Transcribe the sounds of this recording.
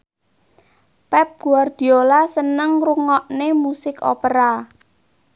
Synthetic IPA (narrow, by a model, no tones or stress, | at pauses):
pɛp̚ɡ̥uard̪̥i̤olasənəŋruŋɔʔnemusɪko̰pəɾa